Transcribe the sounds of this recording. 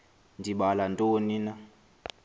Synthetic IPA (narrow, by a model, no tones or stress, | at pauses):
ndʱiɓalantʼoːnina